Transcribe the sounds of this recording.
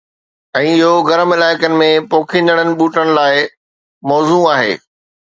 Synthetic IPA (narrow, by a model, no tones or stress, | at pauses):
ɛ̃ːɪɦoɣɐɾəmɪlaːɪkənɪ̆mẽpoːkʰĩːnd̪əɽ̃ənɪ̆ɓuːʈəɽ̃̆laːɪ | mɔːzuaːɦḛː